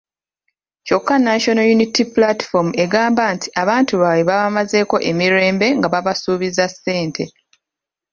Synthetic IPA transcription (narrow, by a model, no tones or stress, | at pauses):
co̞kːanaʃo̞nojunitiplati̥fome̞ɡaːmbantʰi̥ʔaβaːntuβaweβaβamaze̞ːko̞ʔe̞miɾe̞ːmbe̞ŋɡaβaβasuːβizasːe̞ːntʰe̞